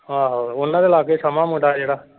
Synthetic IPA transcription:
ɦaːɦoːonːãd̪elaːkesəmãmoʈad͡ʒeːɽaː

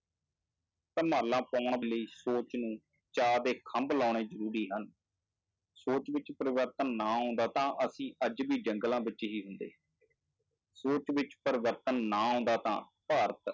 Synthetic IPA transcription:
pəɾmaːlãːpaːɳbɪləiːsoːt͡ʃnũː | t͡ʃaːd̪eːkʰəmblɔːɳ̃eːzəɾuːɾiːɦən | soːt͡ʃʋɪt͡ʃpəɾɪʋəɾt̪ənːãːɦõːnd̪aːt̪ãːʔəsĩːʔəd͡ʒbiːd͡ʒəŋɡlãːbɪt͡ʃːɦiːɦʊnd̪ḛː | soːt͡ʃʋɪt͡ʃpəɾɪʋəɾt̪ənːãːɦõːnd̪aːt̪ã̰ː | paːɾət̪

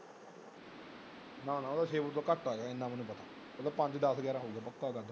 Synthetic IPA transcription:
nãːnãːod̪aːʃeːʋut̪oːkəʈːaːeɡaːɪ̃nd̪ãːmənːũːpət̪aː | mɐt̪ləbpə̃ɲt͡ʃd̪aːsɡɛːɾãːɦoːɡaːpəkːaːɡad̪

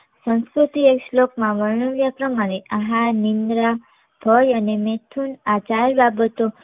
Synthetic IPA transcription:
sə̃skɾut̪iekslokmãʋəɾɳəʋjapɾəmaɾeʔaɦanind̪ɾa | b̥ʱəjənemet̪ʰunat͡ʃaɾbabət̪o

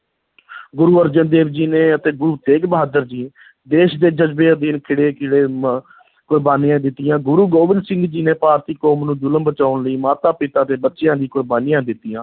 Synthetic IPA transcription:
ɡʊɾuːəɾd͡ʒənd̪eːbd͡ʒiːneːət̪eːɡʊɾuːt̪eːɡbəɦaːd̪əɾd͡ʒiː | d̪eːʃd̪eːd͡ʒəd͡ʒbeːd̪ɪnkʰɪɽeːkɪɽeː | kʊɾbaːnijãːd̪ɪt̪ːɪjãːɡʊɾuːɡoːʋɪ̃nsɪ̃ŋɡd͡ʒiːneːpaːɾt̪iːkɔːmnũːd͡ʒʊləmbət͡ʃaːʊnləiːmaːt̪aːpɪt̪aːt̪eːbətːʃɪjãːd̪iːkʊɾbaːnijãːd̪ɪt̪ːɪjãː

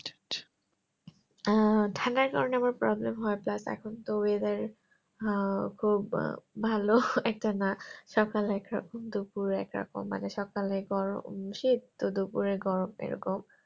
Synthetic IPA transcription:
ʈʰanaɾkaɾoneamaɾpɾɔblemɦɔeplasɛ̰kʰont̪owed̪aɾ | kʰubːʱaloɛk̚tanaʃɔkalɛkɾɔ̰komd̪upuɾɛkɾɔ̰ko̰mːa̰neʃɔkaleɡɔɹo̰mʃid̪t̪od̪upuɾeɡɔɾomḛɾo̰kom

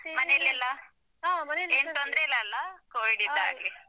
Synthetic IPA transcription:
mɐnelːilːɐ | amɐnleːnt̪ond̪ɾeilːɐːlːɐkoːʋiɖid̪a̰ːɡe

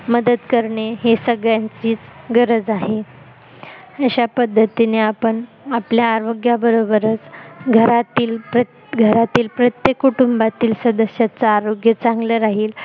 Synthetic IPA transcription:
məd̪əd̪kəɾɳeɦesəɡɭjãɲt͡siːt͡sɡəɾəd͡zaɦe | əɕapəd̪ʱːət̪ineapəɳ | apljaːɾoɡjabəɾobəɾət͡sɡʱəɾat̪iːlpɾə | ɡʱəɾat̪iːlpɾət̪jekːuʈumbat̪iːlsəd̪əsjat͡saːɾoɡjət͡sãŋɡləɾaɦiːl

